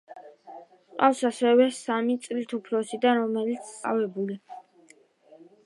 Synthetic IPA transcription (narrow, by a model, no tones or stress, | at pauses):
qʼa̰fsasɛwɛsamit̪sʼlit̪ʰupʰlɔsid̪aɾɔmɛlit̪sʰt̪ʼa̰vɛbuli